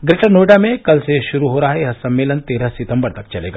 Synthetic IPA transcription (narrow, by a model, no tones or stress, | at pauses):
ɡɾeʈəɾnoɖamẽkɐlseʃʊɾuɦoːɾaːɦeɦɐsɐmːeːlənt̪eɾəsit̪əmbəɾt̪ɐk̚t͡ʃɐlḛːɡa